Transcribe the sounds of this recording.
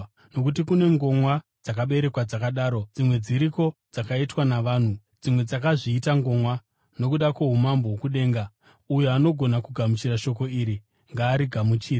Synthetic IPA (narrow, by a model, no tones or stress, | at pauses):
no̞kut̬ikune̞ŋɡo̞mwad͡zakaɓe̞ɾe̞kwad͡zakaɗaːɾo̞d͡zimwe̞d͡ziɾiko̞d͡zakaitwanaʋaːn̤u | d͡zimwe̞d͡zakaʐiːtaŋɡo̞mwa | no̞kuɗakweɦumambowokuɗe̞ːŋɡa | ujoano̞ɡʱo̞nakuɡʱamut͡ʃiɾaʃo̞ko̞iːɾi | ŋɡaːɾiɡʱamut͡ʃiːra